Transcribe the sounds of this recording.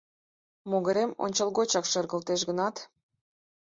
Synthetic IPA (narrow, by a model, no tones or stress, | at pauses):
moɣə̆ɾemo̰nʲt͡ɕəlˠɣot͡ɕɑkʃərɣə̆lt̪eʃɣənɑt̪